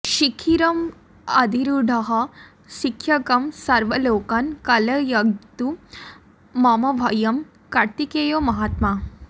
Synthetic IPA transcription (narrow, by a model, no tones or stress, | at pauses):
ʃikʰiɾɐm | ɐd̪ʱiɾuɖʱɐɦɐ | ʃikʰjɐkɐmsɐɾʋɐloːkɐnkɐlɐjɐɡt̪u | maːmɐʋʱɐjɐm | kɐt̪ikeːjoːmɐɦaːt̪maː